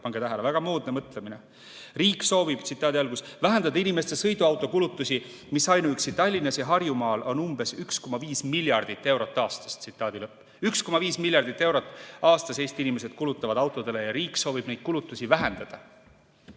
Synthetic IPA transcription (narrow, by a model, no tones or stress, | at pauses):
pɑŋɡ̥et̪æɦelevæɡ̥ɑmuːd̪̥nemɤt̪ˑlemine̞ | riːkːso̞ːvib̥̚t̪sit̪ːˑɑːd̪iɑlɡ̥usvæɦe̞nd̪ɑd̪̥ɑinime̞st̪e̞sɤ̞jd̪uɑwt̪ːˑo̞kulut̪ːˑusʲi | misɑjnuyksit̪ːˑɑlʲːinɑsjɑɦɑrjumɑːlʔo̞numb̥e̞syksko̞mɑviːsmilʲjɑrd̪̥it̪ːe̞wɾo̞t̪ːɑːst̪ɑ̥st̪sit̪ːˑɑːd̪ilɤpːˑ | yksko̞mɑviːsmiljɑrd̪̥it̪ːˑe̞wɾo̞t̪ːˑɑːst̪ɑse̞jst̪inime̞se̞d̪̥kulut̪ːˑɑvɑd̪̥ɑwt̪ːˑo̞d̪̥e̞le̞jɑɾiːkːˑso̞ːvib̥ne̞jd̪̥̚kulut̪ːˑusʲivæɦe̞nd̪̥ɑd̪̥ɑ